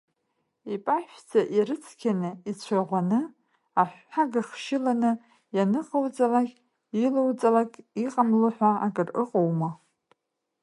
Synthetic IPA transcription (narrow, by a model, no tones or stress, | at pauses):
ipʼaħᶣd͡zaʔiɾɨt͡sʰkʲʰanɨit͡ɕʷʰaʁʷanɨ | aħʷħaɡaχʃɪlanɨ | janɨqʼawt͡sʼalakʲʼ | ilowt͡sʼalakʼiqʼamlɨħʷaːkʼɨrɨqʼowma